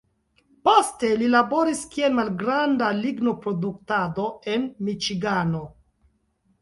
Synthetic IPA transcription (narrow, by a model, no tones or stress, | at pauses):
po̞ste̞lilabo̞ɾiskie̞lmalɡɾandaliɡno̞pɾo̞duk̚tado̞e̞nmit͡ʃiɡano̞